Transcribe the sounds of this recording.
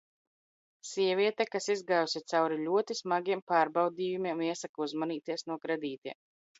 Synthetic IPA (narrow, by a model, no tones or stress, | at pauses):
siɛvʲiɛt̪akasizɡaːjusʲit̪sawɾilʲuɔt̪ismaɡʲiɛmpaːɾbawd̪iːjumiɛmiɛsakauzmaniːt̪iɛsnuɔkɾɛd̪iːt̪iɛm